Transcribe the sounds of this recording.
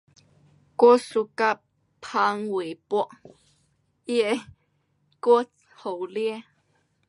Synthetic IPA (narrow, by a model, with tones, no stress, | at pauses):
ko˦su˧ka˧ | pʰa˧ŋwe˨pɔ˦ʔ | je˦ʔ | ko˦t͡s | ho˨wlje˦